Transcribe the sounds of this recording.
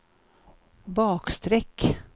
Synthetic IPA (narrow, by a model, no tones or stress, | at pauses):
bɑːkst̪ɾɛkː